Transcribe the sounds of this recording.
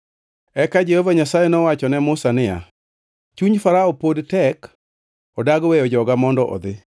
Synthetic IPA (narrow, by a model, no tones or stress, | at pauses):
ɛkad͡ʒehovaɲasajɛnɔwat͡ʃɔnɛmʊsanɪja̰ | t͡ʃuɲfaɾaɔpodtɛk | ɔdaɡwejɔd͡ʒɔɡamɔndɔʔɔ̰d̪ɪ